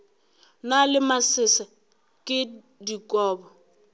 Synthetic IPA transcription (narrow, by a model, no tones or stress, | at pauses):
nalɪmasɪsa | kʼɪ | dikʼɔːbɔ